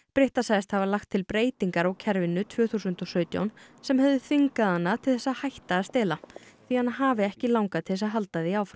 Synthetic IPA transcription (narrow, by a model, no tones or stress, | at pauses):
pɾɪht̪asajst̪havalaxt̪ʰːɪlpɾeːjt̪iŋkaɾawcʰɛɾvɪnːʏt̪ʰv̥œːθusʏnt̪ɔsœːɥt̪ja̰wnsɛmhɛvðʏθiŋkaðanːaðt̪ʰɪlθɛsːahajht̪aːst̪ɪːlaθianaɦaːvɪɛhcɪlawŋkaðt̪ʰɪɛs̬aðɦalt̪aðɪiaːwfɾa